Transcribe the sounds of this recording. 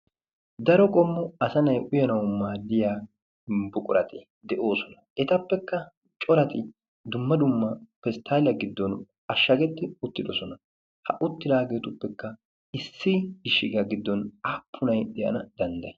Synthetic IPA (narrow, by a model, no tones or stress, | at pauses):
d̪ɐɾɔkʼɔmːʊɐsɐnɐjʔʊjɐnɐwmaːd̪ːɪjaː | bʊkʼʊɾɐt̪ʰe | d̪ɛʔo̞ːsɔnɐɛt̪ɐpːɛkːɐ | t͡ʃʼɔɾɐt̪ɪ | d̪ʊmːɐd̪ʊmːɐfɛst̪ʰaːlɐɡɪd̪ːɔn | ɐʃːɐɡɛt̪ːɪʊt̪ːɪd̪ɔsɔnɐ | hɐ̰ʔʊt̪ːɪd̪aːɡeːt̪ʊpːɛkːɐ | ɪsːɪɡɪʃɪɡɐɡɪd̪ːɔnɐpʰːʊnɐjd̪ɛʔɐ̰nɐd̪ɐnd̪ɐj